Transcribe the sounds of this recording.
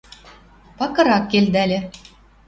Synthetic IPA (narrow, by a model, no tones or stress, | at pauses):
pɑkɤ̆ɾɑkːeld̪ælʲɘ̆